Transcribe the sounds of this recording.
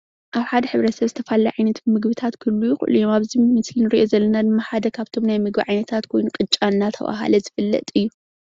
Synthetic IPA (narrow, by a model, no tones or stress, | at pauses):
ʔaβħad̪ɐħɨβɾɐt̪sɐβzɨt̪ʰɐfalːajʕajnɐt̪bɨmɨɡβɨt̪ʰat̪kʰɨlːujɪxṵʔlḭjomaβzimɨslinɨɾiʔo̞zɐlːɐnad̪ɨmːaħad̪ɐkʰaβt̪ʰo̞mnajmɨɡbiʕajnɐt̪ʰat̪kʰo̞jnukʼɨt͡ʃʼːanːat̪ʰɐ̰βa̰ɦa̰lɐzɨfɨlːɐ̰t̪ʼɨjːu